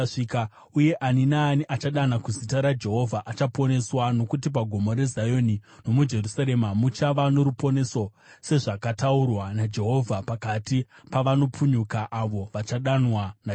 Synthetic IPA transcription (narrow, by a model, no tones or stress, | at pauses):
ʂika | uje̞ʔaninaːniʔat͡ʃaɗanakuzitaɾad͡ʒe̞ɦo̞vʱaʔat͡ʃapo̞ne̞swano̞kut̬ip̬aɡʱo̞moɾe̞zajo̞nino̞mud͡ʒe̞rusaɾe̞mamut͡ʃaʋano̞ɾupo̞ne̞sose̞ʐakataurwanad͡ʒe̞ɦo̞vʱapakatipaʋano̞puɲukaʔaʋo̞ʋat͡ʃaɗanwan